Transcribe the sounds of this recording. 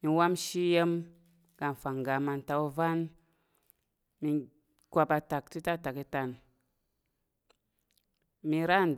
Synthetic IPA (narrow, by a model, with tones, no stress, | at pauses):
mi˧wa˦mʃi˦je˦m | ɡa˧n˨fa˨ŋ˨ɡa˨ma˧n˨ta˧o˧va˦n | mi˧ | kʷa˧pa˧ta˨kti˦ta˦˨ta˨ki˧ta˧n | mi˧ɾa˦˨n˨d